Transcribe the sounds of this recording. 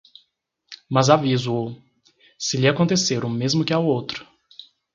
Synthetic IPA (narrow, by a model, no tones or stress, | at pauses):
mɐzavizʊo | sɪlɪakõnt̪eseɾũmezmʊkɪawowt̪ɾʊ̥